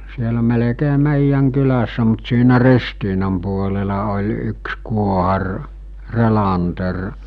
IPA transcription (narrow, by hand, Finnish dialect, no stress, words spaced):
sielæ melekeː meˑijːæŋ kylæsːæ mut siːnæ ristiːnɑm puolelɑ olʲ yks kuohɑr relɑnter